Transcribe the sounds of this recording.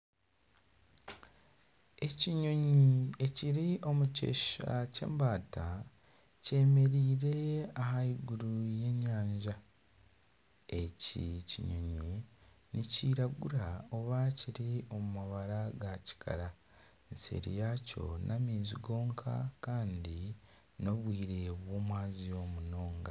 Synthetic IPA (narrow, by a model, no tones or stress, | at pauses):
e̞ciɲo̞ɲie̞ciɾiʔo̞muce̞̰ːʃacḛːmbaːta | ce̞ːme̞ɾiːɾe̞aɦaiɡuɾuje̞ɲaːɲʒa | e̞cḭcḭɲoɲe | niciːɾaɡuɾao̞βaciɾio̞mumaβaɾaɡaci̥kʰa̰ɾa | nsḛɾḭjaco̞̰nʔamiːziɡo̞ːŋkʰa̰kaːndi | no̞βwiːɾe̞βwo̞ːmwaːzio̞muno̞ːŋɡa